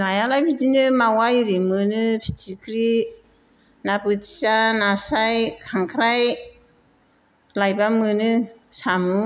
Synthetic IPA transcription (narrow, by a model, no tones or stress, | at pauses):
najalajpʰitinɯmawajɾimɯnɯpʰi̥tikʰɾi | nabɯti̥sanasajkʰaŋkʰɾaj | lajbamɯnɯsamu